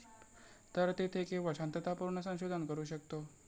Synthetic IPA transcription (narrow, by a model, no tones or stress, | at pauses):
t̪əɾt̪et̪ʰekʰeʋəɕant̪ət̪ʰapuɾɳəsə̃w̃ɕod̪ʱənkəɾuːɕək̚t̪o